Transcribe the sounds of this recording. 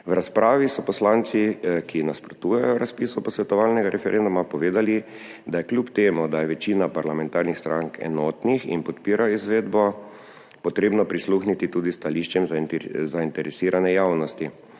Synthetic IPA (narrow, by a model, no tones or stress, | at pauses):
wɾaspɾaːʋisɔpɔslant̪sikʰinaspɾɔt̪uːjajɔɾaspiːsɔpɔsʋɛt̪ɔʋalnɛɡaɾʔɛfɛɾʔend̪umapɔʋeːd̪ali | d̪ajɛkljupt̪eːmud̪ajɛʋɛt͡ʃiːnapaɾlamɛ̃nt̪aːɾnixst̪ɾʔaŋkɛ̰nɔːt̪nixḭnpɔt̪piːɾaizʋeːd̪bɔ | pɔt̪ɾeːbnɔpɾisluxnit̪it̪uːd̪ist̪aliʃt͡ʃjɛmzzaint̪ɛɾɛsiːɾanɛjawnɔst̪i